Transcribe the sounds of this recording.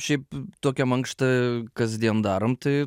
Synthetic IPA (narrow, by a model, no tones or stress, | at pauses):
ʃʲɛɪp̚t̪oːkʲɛmɐŋkʃt̪ɐkɐzʲd̪ʲiɛnd̪ɑːɾomt̪ɐɪ